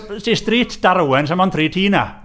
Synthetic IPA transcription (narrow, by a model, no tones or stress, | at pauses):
sisdriːtʰd̥aɾwɛns̬amɔnθʰriːtʰiːna̰